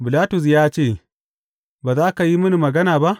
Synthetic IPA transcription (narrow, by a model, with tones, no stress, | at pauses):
bɪ˨laː˦tʊ˨s̬jaː˦t͡ʃeː˦˨ | baː˨zaː˦ka˨ji˦mʊ˦ni˨mɐ˨ɡɐ˦naː˨ba˦ʔ